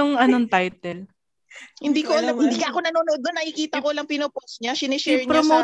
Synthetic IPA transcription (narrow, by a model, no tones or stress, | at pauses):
ʊŋɐnoŋt̪ajt̪ɛl | hɪnd̪iːkoʔɐlɐmhɪnd̪iːkɐʔɐko̞nɐnonoʔod̪ːonːɐkɪkiːt̪ɐkolɐŋpɪnoposɲasɪnɪʃɛɹpɲɾomo